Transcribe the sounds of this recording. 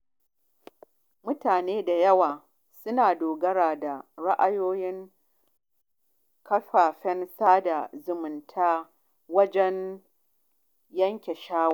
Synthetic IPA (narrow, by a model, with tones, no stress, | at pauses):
mʊ˦taː˨neː˦da˨jɐ˦waː˨ | sʊ˦naː˨doː˨ɡɐ˦ɽaː˨da˨ɽa˦ʔa˦joː˦jɪ˦ŋ | kɐ˦ɸaː˨ɸɛ˦nsaː˦da˨zʊ˨mʊ˨ntʰaː˦ | wɐ˦d͡ʒɛ˦n | jɐ˦ŋkʲe˨ʃaː˦wa˦˨